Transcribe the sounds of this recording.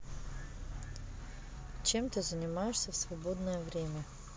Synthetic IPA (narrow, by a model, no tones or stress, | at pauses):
t͡ɕemt̪ɨzənʲɪmajɪʂsʲəfsvɐbod̪nəjəvɾʲemʲə